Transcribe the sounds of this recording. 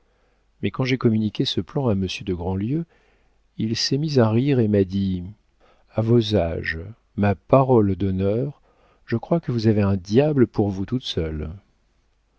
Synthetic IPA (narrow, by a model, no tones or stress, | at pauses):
mɛkɑ̃ʒekɔmynikʲesəplɑ̃aməsjød̪əɡʁɑ̃ljø | ilsɛmizaʁiʁemad̪i | avozaʒ | mapaʁɔld̪ɔnœʁ | ʒ̥əkχwakəvuzaveɛ̃d̪jabləpʰuʁvut̪ut̪sœl